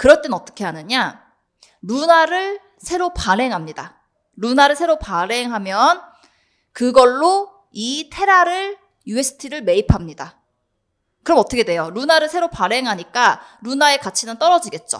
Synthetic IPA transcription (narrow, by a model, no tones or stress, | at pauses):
kɯɾʌt͈enʌt͈ʌ̥kʰe̞ɦanɯɲa | ɾunaɾɯɭ | sʰe̞ɾopaɾe̞ŋɦamɲida̰ | ɾunaɾɯɭsʰe̞ɾopaɾe̞ŋɦamjʌn | kɯɡʌɭːo | itʰe̞ɾaɾɯɭ | jue̞sʰɯ̥tʰiɾɯɭme̞ipʰamɲida | kɯɾʌmʌt͈ʌkʰedwe̞joɾunaɾɯɭsʰe̞ɾopaɾe̞ŋɦaɲik͈aɾunae̞kat͡ɕʰinɯnt͈ʌɾʌd͡ʑiɡe̞t̚t͡ɕ͈o̰